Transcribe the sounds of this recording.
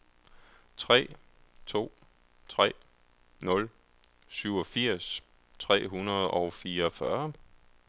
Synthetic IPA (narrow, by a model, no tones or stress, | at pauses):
t͡sʰʁɛ̰ː | t͡sʰo̝̰ː | t͡sʰʁɛ̰ː | nɔ̽l | syʊɒ̽fiɐ̰s | t͡sʰʁɛ̰ːɦunɐð̞ˠɒʊfiːɐfɶɐ